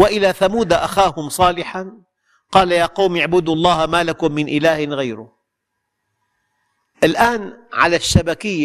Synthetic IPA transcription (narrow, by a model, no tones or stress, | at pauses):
waʔɪlaθamuːd̪aʔaxaːhʊmsˤɑːlɪħan | qɑːlajaːqɑwmaʕbʊd̪ɑlˤːɑːhamaːlakʊmːɪnʔɪlaːhɪnɣajɾʊ | ʔɪlʔaːnʕa̰laʃːabakɪjːa